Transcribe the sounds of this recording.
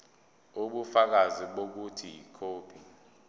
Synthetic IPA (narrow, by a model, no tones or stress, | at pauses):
uɓufak̬aziɓok̬utʰijikʰoːpʰi